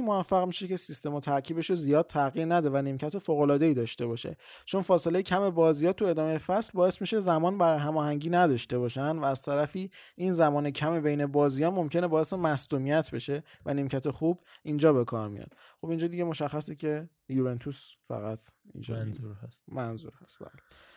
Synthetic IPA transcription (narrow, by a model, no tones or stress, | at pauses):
movæfːæɣmiːʃece̞sist̪e̞mɒt̪ʰæɾcʰiːbe̞ʃozijɒːd̪̥̚t̪ʰæɣiːɾnæd̪ɔevænemcʰæt̪ʰefoːɣo̞lɒːd̪e̞iːd̪ɒːʃt̪e̞βɒːʃe̞̰ | t͡ʃʰo̞nfɒːse̞lejecʰæme̞bɒːzijɒːt̪ʰue̞d̪ɒːmejefæslbɒːe̞smiʃezæmɒːnbæɾjeɦæmɒːhæɲɟiːnæd̪ɒʃt̪e̞bɒːʃænd̪væːz̥t̪ʰæɾæfiːʔinzæmɒːnecʰæmebejne̞bɒːzijɒːmo̞mcʰe̞nebɒːje̞semæsd̪uːmijæt̪ʰbe̞ʃe̞vænemcʰæt̪ʰe̞xubʔind͡ʒɒːbe̞kʰɒːɾmḭjɒ̰d̪̥̚ | χo̞bind͡ʒɒːd̪iɟe̞mo̞ʃæχːæsicʰe | juve̞nt̪ʰusfæ̰ɣæt̪ʰḭnd͡ʒɒ̰smænzṵːɾhæst̪̚bæ̰ːle̥